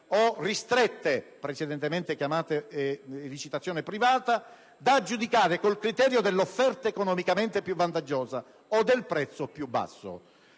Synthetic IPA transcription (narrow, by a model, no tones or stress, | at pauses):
orist̪ɾet̪ːepɾet͡ʃed̪ɛnt̪ement̪ekjamaːt̪eː | lit͡ʃit̪at̪sːjɔːnepɾivaːt̪a | d̪ad͡ʒːud̪ikaːɾekolkɾit̪ɛːɾjod̪elːofːɛrt̪aekonɔmikament̪epjuvːant̪ad͡ʒːɔːza | od̪ːelpɾɛt̪sopjubːa̰sːo̰